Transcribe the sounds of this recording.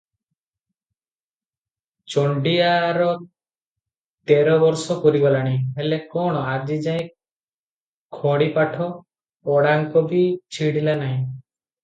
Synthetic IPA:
t͡ʃɔɳɖiaɾɔ | t̪eɾɔbɔɾsɔkɔɾiɡɔlaɽ̃ĩɦelekɔɽ̃ɔad͡ʒid͡ʒaĩ | kʰɔɽipaʈʰɔ | ɔɽaŋkɔbit͡ʃʰiɽilanaɦĩ

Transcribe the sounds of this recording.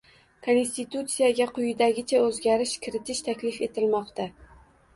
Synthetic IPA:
kʰo̞nst̪it̪ut̪sijaɡʲaqʰʊjɪd̪aɡʲɪt͡ʃʰaɵzɡʲaɾɪʃkʲʰɪɾɪt̪ʰɪʃt̪ʰakʲlɪfe̞t̪ʰɪlmɒqt̪ʰa

